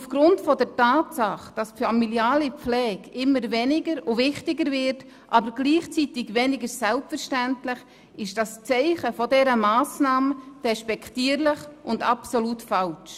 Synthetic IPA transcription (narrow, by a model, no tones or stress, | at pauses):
ufɡ̥ɾʊntfɔdɛɾtaːtsɑχd̥ɑsfamiljaːlip͡flɛːkɪmːəɾvɛnɪɡəɾʊvɪχtɪɡəɾvɪɾt | ʔɑːbəɾɡliːχt͡sitɪɡvɛnɪɡəɾsɛlpfəɾʃtæntlɪχ | ɪʃd̥ɑst͡sɛɪχəfɔdɛɾəmaːsnɑːməd̥ɛʃpɛkʰtiːəɾlɪχʔʊndɑpsolutfɑlt͡ʃ